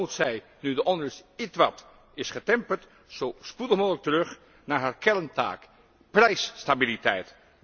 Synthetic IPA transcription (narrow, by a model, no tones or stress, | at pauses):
utsɛj | nydəʔɔndəsitʋɑt | ɪsχətɛmpəɹt | z̥owspudəχmoːklək̚tərɵχ | naːɹɦaːɹkɛɹnta̰ːk | prɛjsːtabilitɛjt